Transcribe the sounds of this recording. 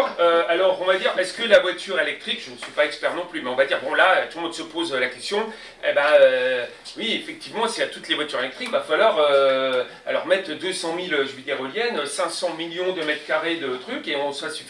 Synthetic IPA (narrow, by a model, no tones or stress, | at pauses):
øalɔʁɔ̃vad̪iʁɛskəlavwat̪ʰyʁelɛk̚t̪χikʒ̥ənsɥipaɛkspɛʁnɔ̃plymɛɔ̃vad̪iʁbɔ̃laøt̪ulmɔ̃d̪səpozølakʲɛst̪jɔ̃ | ebaø | wiefɛk̚t̪ivmɑ̃siat̪ut̪levwat̪yʁelɛk̚t̪χikvafalwaʁø | a̰lɔʁmɛt̪χd̪øsɑ̃miløʒyvid̪eʁoljɛnøsɛ̃sɑ̃miljɔ̃d̪əmɛt̪χkaʁed̪ət̪χykeɔ̃swasy